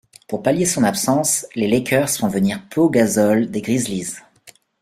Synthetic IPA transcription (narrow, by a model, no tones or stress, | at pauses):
puʁpaljesɔ̃napsɑ̃slelɛkʲʰœʁsfɔ̃vəniʁpøɡazɔld̪eɡʁizliz